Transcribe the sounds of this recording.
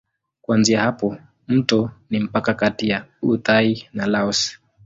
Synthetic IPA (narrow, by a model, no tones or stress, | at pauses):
kuanziahapɔ | m̩tɔnim̩pakakatijautainalaɔs